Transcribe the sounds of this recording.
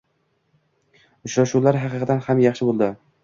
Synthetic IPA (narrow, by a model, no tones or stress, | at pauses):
ʊt͡ʃɾaʃuwlaɾɦɑqɨqʰɑd̪anhamjɑχʃɪbolˠd̪ɪ